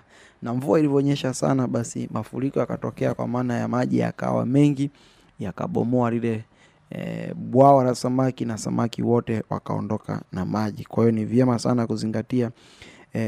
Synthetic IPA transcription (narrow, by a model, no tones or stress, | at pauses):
naɱvuailivɔːɲɛʃasa̰naɓasḭmafuɾikɔjakatɔkɛakwa̰maːnajamaʄija̰ka̰wa̰mɛŋɡi | jaka̰ɓɔ̰mɔaɾilɛ | ɓwawaɾasamakinasamʔakiwɔtɛwa̰kaɔ̰ndɔka̰namaʄikwahiɔnivjɛmasa̰nakuziŋɡatia